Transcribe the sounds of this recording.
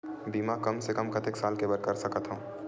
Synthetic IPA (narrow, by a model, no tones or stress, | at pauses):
biːmakɐmsekəmkʰət̪eksaːlkebəɾkəɾsəkət̪ɦũ